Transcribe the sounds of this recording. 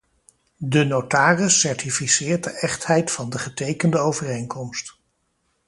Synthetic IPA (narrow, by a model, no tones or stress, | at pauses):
dənowtaːrəsːɛɹtifisɪːɹt̚dəʔɛχtɦɛjtfɑndəχətejkəndəowvərejŋkɔmst